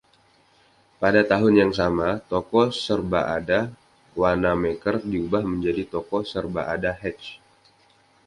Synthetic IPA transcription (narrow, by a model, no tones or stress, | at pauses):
padat̪aɦʊnjaŋsamat̪ɔkɔsərbaʔada | wanamekərdiubahməɲd͡ʒadit̪ɔkɔsərbaʔadaɦɛt͡ʃ